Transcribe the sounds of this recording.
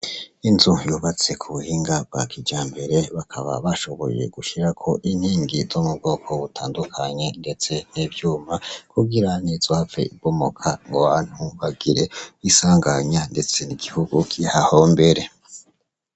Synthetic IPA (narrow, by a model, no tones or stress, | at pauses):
inzujuβat͡se̞kʰuβuhiːŋɡab̚ɡa̰kʰid͡ʒaːmbe̞ɾe̞βakʰaβa̰βaʃo̞βo̞̰je̞̰ɡ̥uʃiɾakʰo̞ʔin̥hiːŋɡizomub̚ɡo̞ːkʰo̞βutaːndukʰaɲe̞nde̞t͡se̞n̥iːbjuːmakuɡiɾaniz̥ohafḛibomo̰kʰa̰ŋɡowaːn̥huβaɡiɾe̞βisaːŋɡaɲande̞t͡se̞niɡihuɡukʰihahombe̞ɾe̞